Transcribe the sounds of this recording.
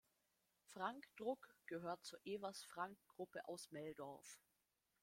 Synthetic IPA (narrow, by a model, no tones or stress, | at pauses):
fʁ̥aŋkd̥ʁʊkɡ̥əɦøːɐt̚t͡suːɐʔeːvɐsfʁ̥aŋk̚ɡ̥ʁʊpəʔaʊsmɛldɔɐf